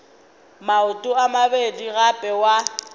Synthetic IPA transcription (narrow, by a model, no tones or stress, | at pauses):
maʊtʼʊamabediɣapʼɛwa